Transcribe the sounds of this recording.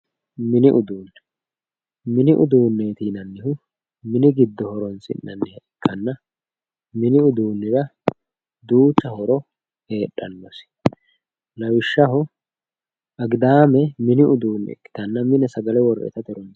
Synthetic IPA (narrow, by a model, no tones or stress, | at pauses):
mɪnɪʔʊd̪uːnː | mɪnɪʔʊd̪uːnːeːt̪iːnɐnːɪhʊ | mɪnɪɡɪd̪ːɔhɔɾɔnsɪ̰nːɐnːɪɛkʰːɐnːɐ | mɪnɪʊd̪uːnːɪɾɐ | d̪uːt͡ʃːɐhɔɾɔ | he̞ːɗːɐnːɔs | lɐwɪʃːɐɦʊ | ʔɐɡd̪aːmɛmɪnɪʔʊd̪uːnːɪ̰ɛ̰kːɪ̥t̪ɐnːɐmɪnɛsɐɡɐlɛwɔrɛ̰t̪ɐt̪ɛɾɔn